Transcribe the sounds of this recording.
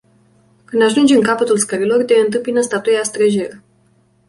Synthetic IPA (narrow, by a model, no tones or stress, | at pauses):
kɨnd̪aʒund͡ʒɨŋkapət̪ulskəɾilo̞rd̪eɨnt̪̬ɨmpinəst̪at̪ueast̪ɾeʒeɾ